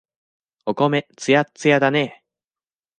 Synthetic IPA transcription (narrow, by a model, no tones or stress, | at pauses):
okomet͡sɨjat͡sɨjad̪ane